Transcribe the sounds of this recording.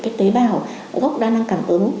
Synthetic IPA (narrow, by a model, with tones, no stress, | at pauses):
kaː˨˦jt̪i˨˦ɓaː˧ɦo˨˩˨ | ɣə˦˥k͡p̚ɗaː˧na˧ŋka˨˩ŋ̟ʔɨ̰˨˩˦ə